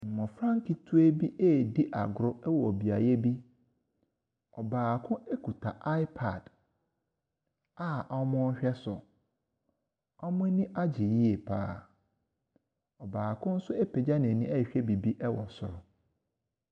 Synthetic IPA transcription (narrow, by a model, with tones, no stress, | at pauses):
m̩˨mɔ̃˨fɾã˦ŋkɪ˨tʰu˦e˦bi˦ʔeː˦˨di˦ʔa̰˨ɡɾʊ˦ɛ˦wɔ˨o˨bi˨a˨jɛ˦bi˦ | ɔ˨baː˨kʰʊ̃˦e˦kʰu˨tʰa˨ʔa˦ɪ˦pʰa˨d̥ | a˦ʔɔ˦mʊ̃˦ɕᶣɛ˦sʊ˨ | ɔ˦mʊ̃˦nĩ˦ʔa˦d͡ʑɪ˨ji˦e˨pʰa̰ː˦˨ | ɔ˨baː˨kʰʊ̃˦n̩˦sʊ˦e˦pʰe˨d͡ʑa˦nɪ̃˨nĩ˦ɛ˦˨ɕᶣɛ˦bi˨bi˦ʔɛ˦wɔ˨sʊ̰˨ɾʊ˨